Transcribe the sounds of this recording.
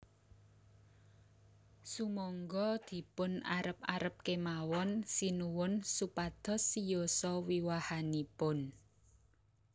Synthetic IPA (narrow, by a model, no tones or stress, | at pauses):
sumɔŋɡɔd̪̥i̤pʊna̰ɾəp̚aɾəp̚kemawɔnsinuwʊnsupad̪̥ɔ̤sijosɔwiwahanipʊn